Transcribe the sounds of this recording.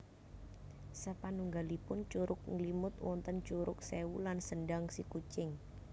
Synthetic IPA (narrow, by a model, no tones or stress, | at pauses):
səpanuŋɡalipʊnt͡ʃuɾʔʊk̚ŋlimʊt̪wɔnt̪ənt͡ʃuɾʊk̚sewulansəɳɖaŋsikut͡ʃɪŋ